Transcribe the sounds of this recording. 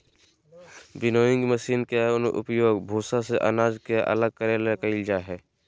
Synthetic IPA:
bɪnoːɪ̃ŋɡməʃiːnkeʊnʊ̰pjoːɡbʱoːsaseʔə̰naːd͡ʒkeʔə̰ləɡ̚kəɾjalekəɪld͡ʒaɦɛː

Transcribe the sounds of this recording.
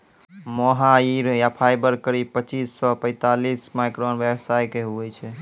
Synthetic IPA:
moɦaiɾjapʰajbəɾkəɾib̚pət͡ʃisːɔpə̃ɪ̃t̪alismajkɾonʋjebsajkeɦuɛt͡ʃʰɛ

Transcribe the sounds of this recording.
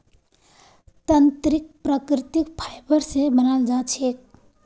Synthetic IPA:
t̪ənt̪ɾik̚pɾəkɾit̪ikpʰajbəɾsẽbənald͡ʒat͡ʃʰek̚

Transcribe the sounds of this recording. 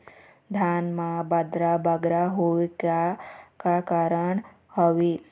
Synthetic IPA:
d̪ʱaːnmabɐd̪ɾabɐɡɾaɦoʋikakakaɾəɳ | hɔʋi

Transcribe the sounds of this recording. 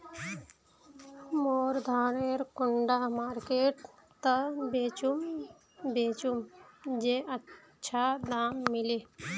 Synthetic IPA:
moːɾd̪ʱaːɾeɾkʊɳɖamaːɾkeːʈ | t̪əbeːt͡ʃum | bet͡ʃumd͡ʒeəː | ʃʰad̪aːmːɪle

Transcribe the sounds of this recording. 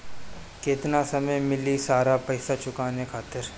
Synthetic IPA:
keːt̪nasɐməjmɪlisaːɾapɐɪsat͡ʃʊkaːnekʰaːt̪ɪɾ

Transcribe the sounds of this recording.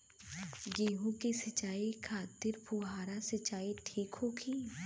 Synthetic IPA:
ɡiːɦũkisɪt͡ʃaːikʰaːt̪ɪɾpuːɦaːɾasɪt͡ʃaːiʈʰiːkɦoːkʰiː

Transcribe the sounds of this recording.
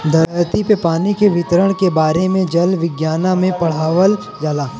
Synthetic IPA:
d̪ɐɾt̪ipepaːnikeʋɪt̪ɾəɽ̃kebaːɾemẽd͡ʒɐlʋɪɡjaːnamẽpɐɽ̤aːʋəl | d͡ʒaːlaː

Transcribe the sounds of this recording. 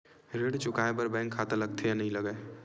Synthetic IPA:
ɾeɽt͡ʃʊkaːepəɾbɛ̃ːŋkʰːaːt̪aləɡ̚t̪ʰejanəɦĩləɡəe

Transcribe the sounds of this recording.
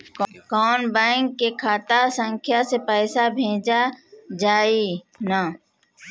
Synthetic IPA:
kɔːnbɛ̃ːŋkːekʰaːt̪asə̃ŋkʰjasepɛːsabʱẽːd͡ʒad͡ʒaːi | na

